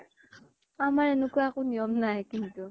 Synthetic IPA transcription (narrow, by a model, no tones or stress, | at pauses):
amaɾɛnukuakuniɔmnaɛkintu